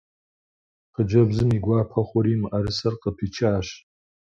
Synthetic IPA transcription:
qəd͡ʒɐbzɨmiɡʷaːpʰɐχʷʊɾiːmʔaɾɨsɐrqʼəpʰit͡ʃʰaːʃ

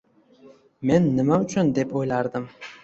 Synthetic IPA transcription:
me̞nːɪmaʊt͡ʃʰʊnd̪e̞pʰojlaɾd̪ɪm

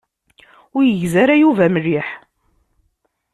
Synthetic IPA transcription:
ʊɾjəʝzaɾajuvæmərːiħ

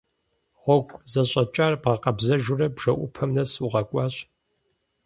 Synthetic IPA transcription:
ʁʷɔɡʷʼzɐɕʼɐt͡ʃʼarbʁɐqɐbzɐʒʊrɐbʒ̥ɐʔʷʊpʰɐmnɐsuʁɐkʷʼɑːɕ

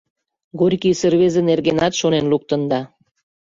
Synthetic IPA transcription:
ɡorʲkisə̆rβezĕnerɣenɑt̪ʃonenluk̚t̪ə̆nd̪ɑ

